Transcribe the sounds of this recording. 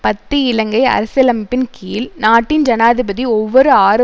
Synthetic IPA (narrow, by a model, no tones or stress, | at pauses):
pɐt̪ːɯɪlɐŋɡɐɪɐ̰ɾɐsɐlɐmɪpːɪnkiːlnaːʈːɪnd͡ʒɐnaːðɪbɐðiɔʋːɔɾɯaːɾɯ